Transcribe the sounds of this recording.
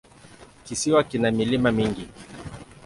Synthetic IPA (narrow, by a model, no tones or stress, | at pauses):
kisiwakinamilimamiŋɡi